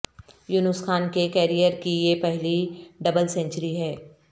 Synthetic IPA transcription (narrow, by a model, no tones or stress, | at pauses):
jʊnʊsxaːnkekɛːɾijəɾkijepɛɦliɖɐbəlsɛ̃ɲt͡ʃəɾiɦɛː